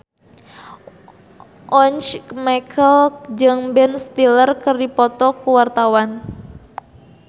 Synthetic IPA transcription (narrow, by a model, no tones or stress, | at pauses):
ʔɔnt͡ʃmakʰəld͡ʒɨŋbɛnst̪ilərkərdipɔt̪ɔkuwart̪awan